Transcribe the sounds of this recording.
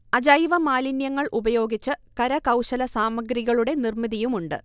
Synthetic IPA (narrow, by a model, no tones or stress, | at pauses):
ɐd͡ʑaːjʋɐmaːlinjɐŋːɐɭʔubɐjo̞ːɡit͡ɕːɨkɐɾɐkɐwɕɐlɐsaːmɐɡɾiɣɐɭuɽe̞nirmiðijumuɳɖɨ̰